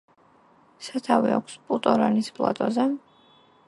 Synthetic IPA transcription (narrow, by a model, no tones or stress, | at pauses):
sat̪ʰaviakʷʰspʼut̪ʼɔɾanispʼlˠa̰t̪ʼɔzɛ